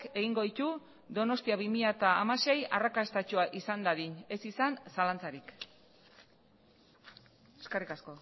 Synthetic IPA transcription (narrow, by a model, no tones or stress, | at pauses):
ke̞ɣiŋɡo̞ðit̪u | d̪o̞no̞st̪iaβimiʎat̪aːmase̞ja̰rakast̪at͡ʃoaʔisand̪aðine̞sisansalant͡saɾik | eskerikasko̞